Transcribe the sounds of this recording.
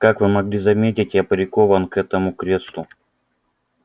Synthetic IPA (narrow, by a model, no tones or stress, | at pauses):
kakvɨmɐɡlʲizɐmʲetʲɪtʲɪɐpɾʲɪko̞vənkɛt̪əmʊkɾʲe̞slˠʊ